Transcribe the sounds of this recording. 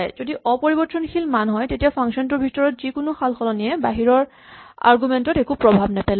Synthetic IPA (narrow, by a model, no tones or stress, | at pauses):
jzodiʔɔpoɹibɔɹtɹɔnkʰilmanɦɔjtetijapʰaŋksɔntuɹbʱitɔɹɔtzikʊnʊxʰalxɔlɔniɛbaɦiɹɔɹ | a̰ɹɡumɛntɔtekupɹɔbʱabnɛpɛl